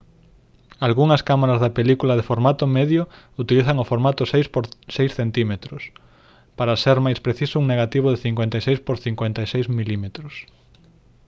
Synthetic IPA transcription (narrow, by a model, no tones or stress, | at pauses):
alɣuŋɐskamaɾazðapelikulɐðefoɾmat̪ʊmeðjʊ | ut̪iliθɐŋʊfoɾmat̪ʊsejspoɾsejsθent̪imet̪ɾʊs | paɾɐseɾmajspɾeθisʊuŋneɣat̪iβ̞ʊðeθiŋkwent̪ajsejspoɾθiŋkwent̪ajsejzmilimet̪ɾʊs